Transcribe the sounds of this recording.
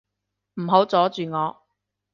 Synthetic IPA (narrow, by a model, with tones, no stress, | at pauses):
m̩˨˩ɦo˨˥wt͡sɔː˨˥t͡ʃyː˨ŋɔː˨˧